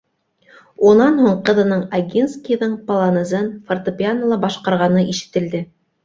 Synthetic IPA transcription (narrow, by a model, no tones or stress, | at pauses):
unɑnhuɴqɤ̆ðɤ̆nɤɴaɡʲinskʲijðɤɴpɐlˠɑnɤ̆zɤnfort̪opʲianəlˠɑbɑʃqɑɾʁɑnɤʔiʃɘ̥̆t̪ɘ̆ld̪ɘ